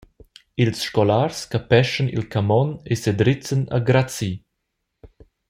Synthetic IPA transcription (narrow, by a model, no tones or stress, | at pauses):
ilsʃkɔlarskəpɛʃənḭlkamɔnesed̪ɾit͡sənə̰ɡɾat͡si